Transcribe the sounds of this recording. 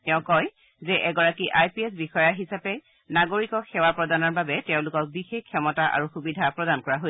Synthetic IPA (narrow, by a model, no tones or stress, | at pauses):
tɛʊ̃kɔj | zɛʔɛɡɔɹakiʔajpiɛs̬bixɔjaɦisapɛ | naɡoɹikɔxɛwapɹɔdanɔɹbabɛtɛʊ̃lʊkɔk̚bixexkʰːɔmɔtaʔa̰ɹuxubidʱapɹɔdankɔɹaɦo